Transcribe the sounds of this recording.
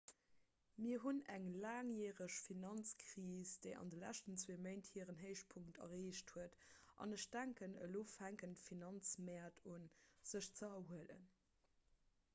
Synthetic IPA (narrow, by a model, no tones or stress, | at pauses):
miːɐɦunæŋlaːŋjɛːʁəʃfinɑnt͡skʁiːsd̥eɪʔɑ̰ndəlæ̰ʃtənt͡sweːməɪnthiːəʁənɦəɪʃpʰuŋktʰɐ̰ʁeːʃthuətʔɑ̰nəʃd̥æŋkənə̰loːfhæŋkəntfinɑnt͡smɛɐtʰunz̥əʃt͡səɐhuələ̰n